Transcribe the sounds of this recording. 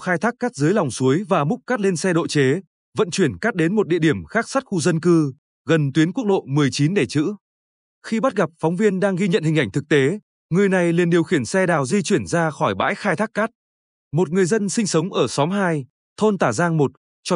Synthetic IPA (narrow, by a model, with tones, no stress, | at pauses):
xaː˧jt̪ʰaː˦˥k̚kːaː˦˥t̚zɨ˨˦jla˨˩wŋ͡msu˨˦əjvaː˨˩mʊ˦˥k͡p̚kaː˦˥t̚le˧nsɛ˧ɗo̰˧˨t͡ɕe˨˦ | və̰˧˨nt͡ɕwi˧˩ənkaː˦˥t̚ɗe˨˦nmo˨˩t̚ɗḭ˧əɗi˧˩əmxaː˦˥k̚sa˦˥t̚xu˧zə˧nkɨ˧ | ɣə˨˩nt̪wi˨˦ənku˦˥ək̚ɗo̰˧˨mɨ˨˩əjt͡ɕi˨˦nɗe˧˩t͡ɕɨ̰˧˥ | xi˧ɓa˦˥t̚ɣa˨˩p̚fɔ˨˦wŋ͡mvi˧ənɗaː˧ŋɣi˧ɲə̰˧˨nhi˨˩ŋ̟ʔa˧˩ŋ̟t̪ʰɨ˨˩k̚t̪e˨˦ | ŋɨ˨˩əjna˨˩jli˨˩ənɗi˨˩əwxi˧˩ənsɛ˧ɗaː˨˩wzi˧t͡ɕwi˧˩ənzaː˧xɔ˧˩jɓa̰ː˧˥jxaː˧jt̪ʰaː˦˥kːaː˦˥t̚ | mo˨˩t̚ŋɨ˨˩əjzə˧nsï˧ŋ̟sə˨˦wŋ͡mʔəː˧˩sɔ˨˦mɦaː˧j | t̪ʰo˧nt̪aː˧˩zaː˧ŋmo˨˩t̚ | t͡ɕɔ˧